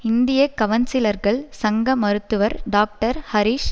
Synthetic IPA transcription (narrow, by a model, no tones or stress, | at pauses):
ɪnd̪ɪjɐkːɐʋɐnsɪlɐɾɣɐɭsɐŋɡɐmɐɾɯt̪ːɯʋɐɾɖaːk̚ʈɐɾhɐɾiːʂ